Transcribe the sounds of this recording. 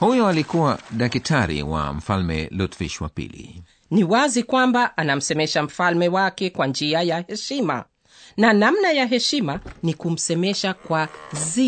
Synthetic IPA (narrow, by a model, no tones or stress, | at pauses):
hujɔalikuwaɗakitʰaɾḭwa̰m̩falmɛ̰lutvḭʃwa̰pḭlḭ | niwazikwambaʔanam̩sɛmɛʃam̩falmɛwakɛkwand͡ʒiajahɛʃima̰ | nanamnajaɦɛʃimanikum̩sɛmɛʃakwazi